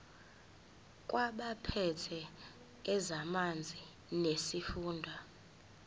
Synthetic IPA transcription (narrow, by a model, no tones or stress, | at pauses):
kʼwaɓapʰɛtʰɛ | ɛzamand͡zʱi | nesifuːndʱwa